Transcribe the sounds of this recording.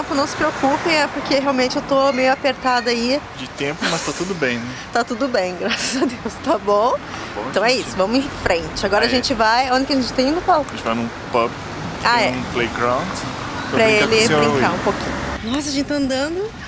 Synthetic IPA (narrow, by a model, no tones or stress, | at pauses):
t̪ẽmpʊnɐ̃w̃sɪ̥pɾeokupẽj̃ɛpoɾkeheawmẽnt͡ʃɪewt̪omejʊapeɾt̪ad̪ʊaid͡ʒɪt̪ẽpʊmɐst̪at̪ud̪ʊbẽj̃nɛt̪at̪ud̪ʊbẽj̃ɡɾasɐzɐd̪ewst̪abõebõt̪ɐ̃w̃ɛisʊvɐ̃mʊɪ̃fɾẽnt͡ʃɪaɡɔɾɐaʒẽnt͡ʃɪvajõd͡ʒɪkɪɐʒẽñt͡ʃɪ̥t̪ẽj̃ĩnd̪ʊkalʒẽt͡ʃɪva̰jnʊ̃ | pɐp | aɛũplejɡɾãw̃d͡ʒ | eɾɐelɪbɾɾĩkaɾũpokḭ̃ɲʊnɔsɐʒẽnt͡ʃt̪aɐ̃nd̪ɐ̃d̪ʊ